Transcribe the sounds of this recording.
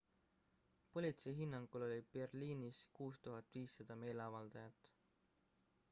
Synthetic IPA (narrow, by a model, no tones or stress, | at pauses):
po̞lʲit̪sejɦinːɑŋɡ̥ulo̞lʲib̥e̞rliːniskuːst̪uɦɑt̪ːˑviːsːɑd̪̥ɑme̞ːleɑvɑld̪̥ɑjɑt̪ːˑ